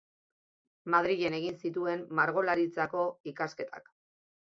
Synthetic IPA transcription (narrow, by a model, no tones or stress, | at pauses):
mað̞ɾiɣe̞ne̞ɣ̞insit̪̬ue̞mːaɾɣo̞laɾit͡sako̞ikaske̞t̪ʰa̰k